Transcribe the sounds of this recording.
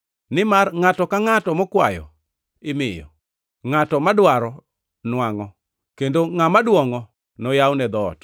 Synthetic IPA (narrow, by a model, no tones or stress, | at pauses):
nɪmarŋatɔkaŋatɔmɔkwa̰jɔ̰ | ɪmɪjɔ̰ | ŋatɔmadwaɾɔ | nwaŋɔ | kendoŋamadwɔŋɔ | nɔjawnɛd̪ɔːt